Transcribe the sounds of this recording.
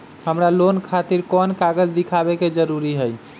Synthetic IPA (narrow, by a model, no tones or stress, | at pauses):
həmɾalonkʰat̪iɾkɔnkaɡəd͡ʒd̪ikʰabeked͡ʒəɾuɾiɦəj